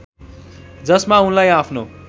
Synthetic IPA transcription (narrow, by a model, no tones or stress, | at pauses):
d͡zʌsmaunlajapʰno̰